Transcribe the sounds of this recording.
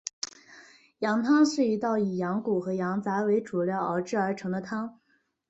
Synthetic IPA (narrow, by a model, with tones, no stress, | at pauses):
jɑ˧˥ŋt̪ʰɑ˥ŋʂɻ̩˥˩y˧˥t̪ɑ˥˩ʊi˨˩jɑ˧˥ŋku˨˩xɤ˧˥jɑ˧˥ŋt͡sa˧˥ɪwe˧˥ɪʈ͡ʂu˨˩ljɑ˥˩ʊə̰˞˧˥ʈ͡ʂɻ̩˥˩ə˞˧˥ʈ͡ʂʰɤ˧˥ŋd̪ə˧t̪ʰɑ˥ŋ